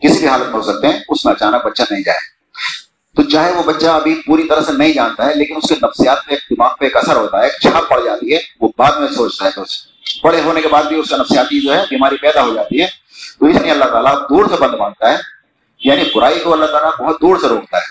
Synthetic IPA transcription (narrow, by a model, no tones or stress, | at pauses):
kɪsibʱiɦaːlət̪̚mẽɦosɐk̚t̪eɦɛ̃ʊsmẽɐt͡ʃaːnək̚bɐtːʃanɐɦĩd͡ʒa̰ːjḛ | t̪ot͡ʃaːɦeʋobɐtːʃaɐbʱipuːɾit̪ɐɾəɦsenɐɦĩd͡ʒaːnt̪aɦɛleːkɪnʊskenɐfsijaːt̪̚peeːk̚d̪ɪmaːɡ̚peeːkɐsəɾɦoːt̪aɦɛk̚t͡ʃʰaːp̚pɐɽ̤d͡ʒaːt̪iɦɛʋobaːd̪mẽsoːt͡ʃt̪aɦɛt̪oːs | pɐɽ̤eɦoːnekebaːd̪̚bʱiʊskenɐfsijaːt̪id͡ʒoːɦɛbiːmaːɾipɛːd̪aɦod͡ʒaːt̪iɦɛː | t̪oɪsnɐɦĩɐlːaɦt̪aːlad̪uːɾsebɐ̃nd̪bãːɡ̚t̪aɦɛː | jaːnibʊɾaːikoɐlːaɦt̪aːlabɐɦʊt̪̚d̪uːɾseɾoːk̚t̪aɦɛː